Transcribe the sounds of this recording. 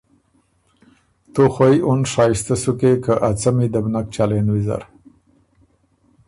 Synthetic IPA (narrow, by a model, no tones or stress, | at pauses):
t̪oxwajonʂɑist̪asukekəʔat͡samid̪abnak̚t͡ʃalenwiza̰ɾ